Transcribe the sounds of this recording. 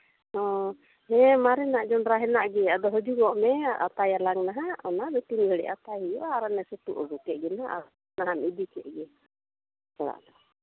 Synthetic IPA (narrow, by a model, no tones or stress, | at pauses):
hɔ̃ | hɛmaɾɛnaʔd͡ʒɔnɾaɦɛnaʔɡɛad̪ɔɦɔd͡ʒuɡɔʔmɛa̰t̪ajalaŋnaɦaɔnabɛt̪imɡʱɛɽɛ̰ʔa̰t̪aɦijɔʔaɾanɛsut̪uʔɔɡukɛʔɡɛnaʔa̰ | naɦanid̪it͡ʃɛʔɡɛ | kaɽa̰ʔd̪ɔ